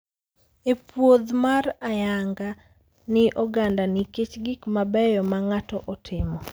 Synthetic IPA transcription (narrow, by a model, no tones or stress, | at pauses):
epwod̪marajaŋɡa | nɪʔɔɡandanɪket͡ʃɡikmabɛjɔmaŋatɔʔɔtʰɪmɔ